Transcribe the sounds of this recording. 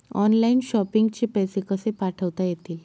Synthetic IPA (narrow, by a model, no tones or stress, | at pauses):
ɔnlainɕɔpiŋɡt͡ɕepɛjsekəsepaʈʰəʋt̪ajet̪iːl